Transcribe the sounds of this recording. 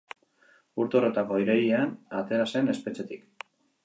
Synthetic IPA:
uɾt̪o̞ɾo̞t̪ako̞iɾejianat̪e̞ɾase̞ne̞spe̞t͡ʃe̞t̪ik

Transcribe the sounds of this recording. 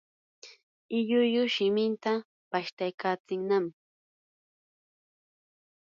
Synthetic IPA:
ɪʎʊjʊʃɪmɪnt̪a | paʃt̪ajkʰaːt͡sɪŋnam

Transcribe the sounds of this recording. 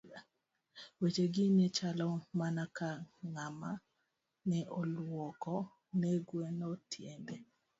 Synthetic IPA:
wet͡ʃeɡɪnet͡ʃalɔmanakaŋama | nɛʔolwɔkɔ | neɡwenɔtʰjembe

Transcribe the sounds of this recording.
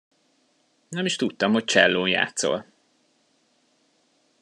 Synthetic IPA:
nɛmiʃt̪ut̪ːɒmhoc̚t͡ʃɛ̰lːoːnja̰ːt̪so̞̰l

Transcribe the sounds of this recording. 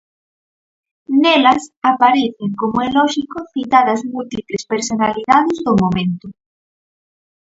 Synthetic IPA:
nelasapaɾeθeŋkomoelɔʃikoθit̪aðɐzmult̪iplespeɾsonaliðaðezðomõmẽnt̪o

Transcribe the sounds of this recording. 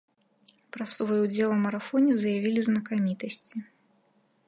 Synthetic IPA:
pɾɐsvɔjud͡zʲɛlˠɐmɐɾafɔnʲɛzɐjavʲilʲiznɐkamʲit̪ɐsʲt͡sʲi

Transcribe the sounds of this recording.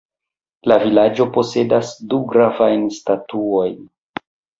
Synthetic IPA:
lavilad͡ʒo̞po̞se̞dasduɡɾavajnstatuo̞jn

